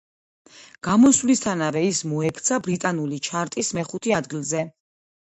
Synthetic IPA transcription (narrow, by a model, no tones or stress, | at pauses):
ɡ̥amɔswvlist̪ʰanavɛismɔɛkʰt̪sʰabɾit̪ʼanulit͡ʃʰaɾt̪ʼismɛχut̪ʰiad̪ɡilˠzɛ